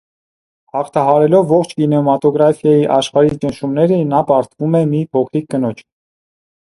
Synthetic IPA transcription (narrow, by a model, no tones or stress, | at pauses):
hɑχt̪ʰɑɦɑɾɛlɔvːɔχt͡ʃʰkinɛmɑt̪ɔɡɾɑfjɑjiʔɑʃχɑɾit͡ʃənʃumnɛɾənɑpɑɾt̪vumɛmipʰɔkʰɾikːənɔt͡ʃʰ